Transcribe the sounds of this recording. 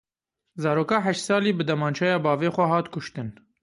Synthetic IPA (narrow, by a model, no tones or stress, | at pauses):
zɑːɾoːkɑːɦɛʃt̪sɑːliːbɨd̪ɛmɑːnt͡ʃʰɑjɑːbɑːveːxʷɛɦɑːt̪kʰʊʃt̪ɨn